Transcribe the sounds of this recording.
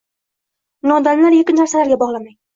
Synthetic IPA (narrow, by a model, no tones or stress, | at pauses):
nɒd̪anlaɾjekʲɪnnaɾsalaɾɡʲabɒʁlˠamaj